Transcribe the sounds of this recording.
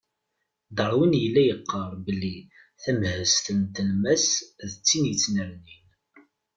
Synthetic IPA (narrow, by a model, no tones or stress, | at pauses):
d̪əɾˤwinjəlːæjəqːəɾˤbəlːi | θæmhəst̪ənt̪əlmæsðət͡sːinjət͡sːnəɾnin